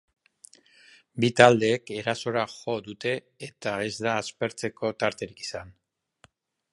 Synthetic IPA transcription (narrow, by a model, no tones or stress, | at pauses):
bit̪ald̪e̞ːke̞ɾaso̞ɾaʝo̞d̪ut̪e̞ː | t̪ae̞zd̪aːspe̞ɾt͡se̞ko̞t̪aɾt̪e̞ɾiki̥san